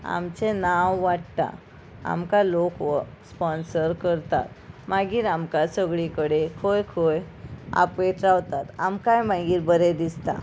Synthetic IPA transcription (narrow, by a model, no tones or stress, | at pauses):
a̰mt͡ɕenawʋaʈt̪a̰ | a̰mkalokʋspɔnsəɾkəɾt̪a̰t̪maɡiːɾamkasəɡɭikəɽekʰojkʰoj | a̰peʈ̪ɾaʋt̪at̪amkajmaɡiːɾbəɾed̪ist̪a̰